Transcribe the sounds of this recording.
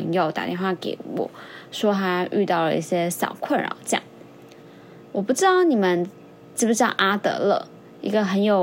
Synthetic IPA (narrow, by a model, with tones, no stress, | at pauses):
ŋjo˥˩ʊt̪a̰˨˩t̪jɛ˥˧nxwa˥˧˩kḛ˧˥ɪwɔ̰˨˩˦ʂwɔ˥xa˧˥ʔy˥˧t̪ɑ˥˩ʊlə̰˩ḭ˥˩ɕjɛ˥ɕjɑ̰˨˩ʊkʰwə˥˩nɻa̰˧˥xo˧˩t͡ɕjɑ̰˥˩˦ŋ | wɔ˨˩pu˥˩ʈ͡ʂɻ̩˥t̪ɑ˥˩ʊni˨˩mə˨n | ʈ͡ʂɻ̩˥˩u˧˥ɕjɑ˥˧ŋʔa˥t̪ɤ̰˧˥lɤ̰˥˩ | ḭ˧˥ɡə˧xə˧˥njo˨˩ʊ